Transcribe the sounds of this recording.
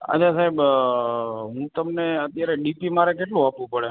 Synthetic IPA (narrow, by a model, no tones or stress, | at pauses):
a̰t͡ʃʰasaɦeb | ɦũt̪əmneət̪jaɾeɖipimaɾekeʈlũapʋũpəɽe